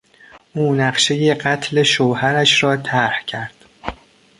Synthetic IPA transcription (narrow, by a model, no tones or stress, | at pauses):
ʔuːnæɢʃe̞je̞ɢæt̪ʰle̞ʃoːhæɾæʃɾɒːt̪ʰæɾhcʰæɾd̪̥